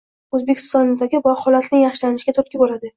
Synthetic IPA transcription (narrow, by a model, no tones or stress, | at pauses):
ɵzbekʲʰɪ̥st̪ɒnd̪aɡʲɪbɒχɒlat̪nɪjɑχʃɪlanɪʃɡʲat̪ʰot̪kʲɪbolad̪ɪ